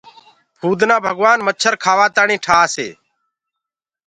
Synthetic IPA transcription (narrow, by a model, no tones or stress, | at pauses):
pʰuːd̪nãːbʱəɡʋaːnmət͡ʃʰəɾkʰaːʋaːt̪aːɳĩːʈʰaːsḛː